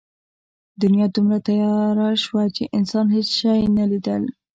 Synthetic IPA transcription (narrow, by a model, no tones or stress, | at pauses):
d̪ʊnijɑd̪umɾat̪ajɑɾaʃwat͡ʃeʔɪnsɑnɦet͡sʃɑjnalid̪əl